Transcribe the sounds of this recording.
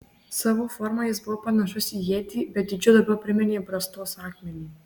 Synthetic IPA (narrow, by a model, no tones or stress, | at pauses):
sɑːʋoːfɔɾmɐjɪsbʊʋopɐnɐʃʊsʲijeːt̪ʲiːbʲɛt̪̚d̪ʲɪd͡ʒʲʊd̪ɐɾbʲɛʊpʲɾʲɪmʲɛnʲeːbɾɐst̪oːsɑːkʲmʲɛnʲiː